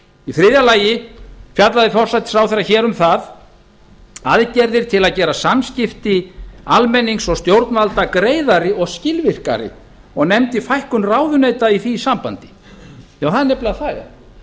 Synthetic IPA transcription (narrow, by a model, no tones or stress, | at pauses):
ifɾɪːðjalaːjɪfjat̪laðɪfɔr̥sajt̪ɪ̥sawθejɾːaçɛːɾʏmθað | aðcɛɾðɪɾ̥t̪ʰɪlaðcɛːɾasamscɪft̪ɪalmɛnːiŋksɔɣst̪jowɾt̪nvalt̪akɾeːjðaɾɪɔɣscɪlvɪr̥ka̰ɾɪ̰ | ɔɣnɛmt̪ɪfajhkʏnraːwðʏnejt̪aiθisampant̪ɪ̥ | jaːwθaðnɛplaθaja̰